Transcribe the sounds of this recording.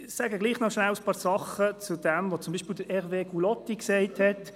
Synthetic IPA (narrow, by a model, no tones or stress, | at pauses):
sæːɡəɡliːχnɔʃnæwəspɑːɾsɑχət͡sud̥ɛmvot͡sʊmbiːʃpiːld̥əɾɛʁveːɡulɔtːiksɛɪthɛt